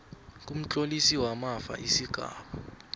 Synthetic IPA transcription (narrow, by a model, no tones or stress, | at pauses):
k̬ʼum̩t͡ɬʼolisiwamafa̰ʔisiɡ̥ʱa̰ːɓa